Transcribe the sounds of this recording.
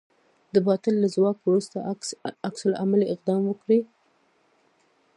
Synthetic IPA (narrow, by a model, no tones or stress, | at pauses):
d̪əbɑt̪ɪlːazwɑkwɾust̪a̰aksʊla̰maliɪq̚d̪ɑmwəkɽi